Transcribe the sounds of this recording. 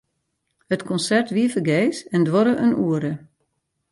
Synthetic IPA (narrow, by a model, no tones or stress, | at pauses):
hətkʰɔnsɛrtʋiəfəɡeːsɛndʋɔɾəʔənuəɾə